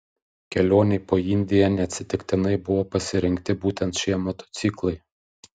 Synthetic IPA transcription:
kʲɛlʲoːnʲɛɪpoːɪnʲd̪ʲɪjɛnʲɛɐt̪ʲsʲɪt̪ʲɪkt̪ʲɪnɐɪbʊʋoːpɐsʲɪɾʲɪŋʲkt̪ʲɪbuːt̪ʲɛnt̪ʃʲiɛmɔt̪ɔ̥t̪sʲiklˠɐɪ

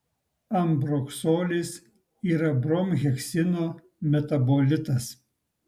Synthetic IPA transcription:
ɐmbɾɔksoːlʲis | iːɾɐbɾɔmʲɣʲɛksʲɪnoː | mʲɛt̪ɐbolʲɪt̪ɐs

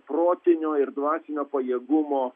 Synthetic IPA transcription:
pɾoːt̪ʲɪnʲoːɪɾd̪ʋɑːsʲɪnʲoːpɐjeːɡʊmoː

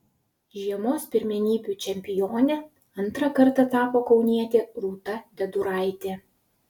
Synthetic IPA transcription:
ʒʲiɛmoːspʲɪɾʲmʲɛnʲiːbʲuːˑt͡ʃʲɛmʲpʲɪjoːnʲɛ | ɐnˑt̪ɾɐkɐɾt̪ɐt̪ɑːpoːkɒʊnʲiɛt̪ʲɪɾuːt̪ɐd̪ʲɛd̪ʊɾɑˑɪt̪ʲeː

